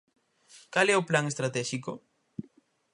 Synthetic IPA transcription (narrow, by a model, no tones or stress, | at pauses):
kalɛʊplaŋest̪ɾat̪ɛʃiko